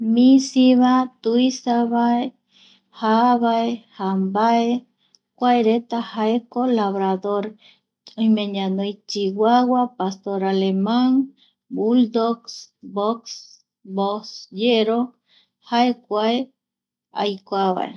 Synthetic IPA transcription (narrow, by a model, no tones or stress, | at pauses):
mĩsiβat̪uisaβae | haβaehambae | kʷaeɾet̪ahaekolaβɾaðoɾ | õjmẽɲãnojt͡ʃiwawapast̪oɾalemãŋ | buld̪oksboks | bosjeɾo | haekʷae | a̰jkʷaβa̰ḛ